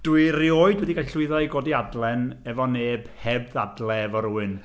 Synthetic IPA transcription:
d̥uɨrioːɨdwɛdiɡaɬʊɨðɔiɡoːdiadlˠɛnɛvɔneːb̥hɛbðadlˠɛvɔɾuːɨn

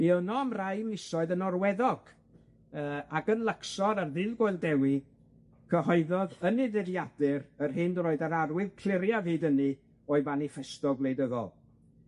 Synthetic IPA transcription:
niənɔamrajmlɪsɔɨðənɔrwɛðɔɡ̥ | əːakənlˠəksɔɾarðɪðɡoɨlˠdɛwi | kʰəɦɔɨðɔðənɪðɪðjadɨɾərɦɪndroːɨdaɾarwɪðkʰl̥ɪɾjaviːdəni | ɔɨvanifɛstɔɡlˠejdəðɔ̰lˠ

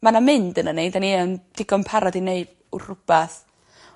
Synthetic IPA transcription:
manamɪndənəneɨdaniənd̥ɪɡɔnpʰaɾɔdineɨd | ʊr̥ʊb̥aθ

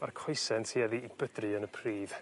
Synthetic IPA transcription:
markʰɔjsɛntʰiɛðiːbədrɨənəpʰriːð̥

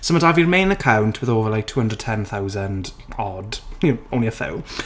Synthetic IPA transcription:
sə̃mətavəɹɪmẽɪ̃nəkʰãwntʰwɪðoːvəlaɪk̚tʰuːhə̃ndəd̚tʰɛ̃nθaʊzə̃nd | ɔd̥jõw̃nliəfɪ̰w

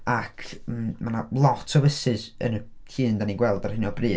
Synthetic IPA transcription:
akʰəmmanalˠɔtʰɔvəsɨsə̰nətʰiːndaniɡwɛlˠdar̥hɪnɔbrɨː

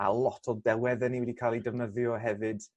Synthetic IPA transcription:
a̰lˠɔtʰɔdɛwɛðəniwɛdikʰaːlˠidəvnəðjɔɦɛvɨd̥

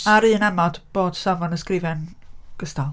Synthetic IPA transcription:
aɾɨːənɛmɔd̥b̥oːd̥savɔnəskrɪvɛnɡ̥əstalˠ

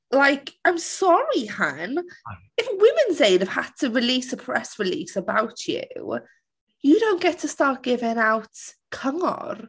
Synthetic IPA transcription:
lajkʰaɪ̃msɔɹihan | ɪfwɪmɪ̃nzeɪdəv̥had̚tʰəɹɪliːsəpʰɹ̥ɛsɹɪliːsəbawtʰjṵ | jədõʊ̃nɡ̥ɛtʰəstat̚ɡ̥ɪvɪŋawtkʰəŋɔ̰r

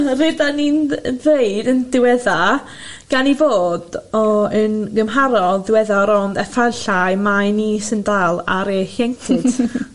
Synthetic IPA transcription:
vedaninvejdəndɪwɛða | ɡ̥anivoːd̥ɔənɡəmɦaɾɔðɪwɛðaɾɔndɛfaɬajmajniːsəndaːlˠaɾeːhjɛŋkʰɪd̥

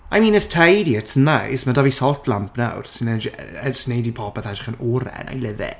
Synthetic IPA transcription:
ajmĩːnəstʰajdiətsənːajsmadavisɔlˠtʰlˠampʰna̰wrsɪnɛd͡ʒəsnejdipʰɔbɛθad͡ʒɪ̥χənɔːɾɛ̰na̰jlɪvɪ̰

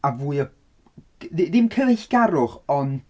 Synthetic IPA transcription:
avuːɨɔ | ðɪðɪmkʰəneɬɡ̥aɾʊχɔn

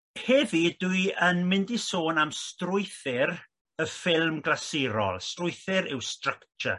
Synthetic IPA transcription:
hɛvidwɨjənmɪndisoːnamstrʊjθɪɾ | əfɪlˠmɡlˠaseɾɔ̰lˠstrʊjθɪɾɪwstrəkt͡ʃə̰

